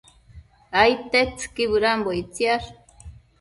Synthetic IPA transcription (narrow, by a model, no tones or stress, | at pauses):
ajt̪et͡skiβɨɾamboit͡sjaɾ